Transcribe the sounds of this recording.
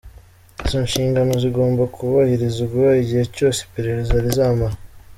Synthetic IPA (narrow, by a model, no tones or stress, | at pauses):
izo̞ːɲʃiːŋɡano̞ziɡo̞ːmbakʰuβahiɾizuɡwuβaiɟihe̞co̞ːse̥pe̞ɾe̞ɾe̞zaɾizaːmaa